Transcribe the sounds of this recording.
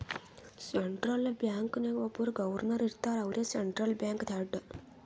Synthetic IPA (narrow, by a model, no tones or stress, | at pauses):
seɳʈɾɐlbjaːŋkneʋopuɾɡɐʋɐɾnɐɾiɾt̪aːɾɐʋɾʲjeseɳʈɾɐlbjaːŋkt̪ʰaɖə